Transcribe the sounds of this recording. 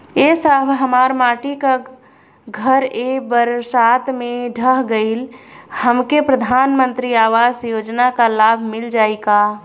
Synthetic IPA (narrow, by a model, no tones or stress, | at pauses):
esəbʱɦəmaːɾmaːʈika | ɡʱəɾebəɾsaːt̪mẽɖʱəɦɡəɪlhəmkepɾəd̪ʱaːnmə̃nt̪ɾiaːʋaːsjoːd͡ʒnakalaːbʱmɪld͡ʒaːika